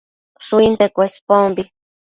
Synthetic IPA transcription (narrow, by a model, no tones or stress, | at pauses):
suint̪ekʷespombi